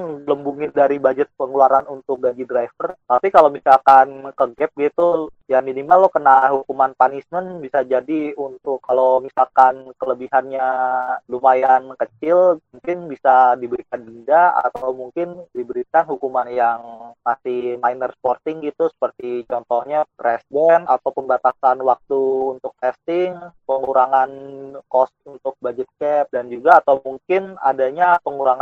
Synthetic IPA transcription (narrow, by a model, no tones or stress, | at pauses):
nləmbuŋɪdaɾibad͡ʒət̪̚pəŋuluaɾanunt̪ʊk̚ɡaɲd͡ʒidɾajfərt̪apikalomisalkankəɡɛp̚ɡit̪ujaminimalːɔkənaɦukumanpanismənbisad͡ʒadiunt̪ʊkːalomisalkankələbihanɲalumajankət͡ʃɪlmuŋkɪnbisadibəɾikandindaa̰t̪awmuŋkɪndibəɾikanhukumanjaŋmasɪhmajnərsə̥pɔrt̪ɪŋɡit̪usə̥pərt̪it͡ʃɔnt̪ɔhɲapɾɛsdɛnat̪awpəmbat̪asanwak̚t̪uːnt̪ʊk̚t̪ɛst̪ɪŋpəŋuɾaŋankɔst̪̚unt̪ʊk̚bad͡ʒɛt̪̚kɛp̚dand͡ʒuɡaːt̪awmuŋkɪna̰daɲapəŋuɾaŋa